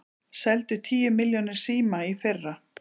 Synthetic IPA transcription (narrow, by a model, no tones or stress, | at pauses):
sɛlt̪ʏt̪ʰiːjʏmɪljɔnɪɾ̥siːmaifɪrːa